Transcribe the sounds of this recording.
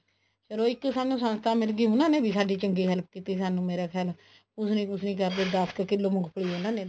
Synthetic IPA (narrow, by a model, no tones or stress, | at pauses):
səɾoːɪkːsaːnũːsənst̪ʰaːmɪlɡiːʊnãːneːbʱiːsaːɖiːt͡ʃəŋɡiːɦəlp̚kiːt̪iːsaːnũːmeːɾaːkʰɛaːl | kʊsnĩːkʊsnĩːkəɾd̪eːd̪əskəkɪlːoːmʊɡpʰəɽiːɦoːnãːneː